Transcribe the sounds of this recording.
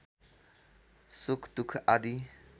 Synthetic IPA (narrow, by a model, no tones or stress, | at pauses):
sukʰt̪ukʰad̪i